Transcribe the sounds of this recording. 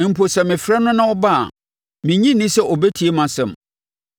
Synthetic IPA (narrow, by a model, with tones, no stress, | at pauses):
m̩˨pʰo˨sɛ˨mɪ̃˨fɾɛ˦nʊ̃˦nã˦ɔ˦ba̰˦˨ | mɪ̃˨ɲĩ˦nĩ˦sɛ˦ʔɔ˨bɛ˦tʰi˨˦e˦mã˨sɛ̃˦˨m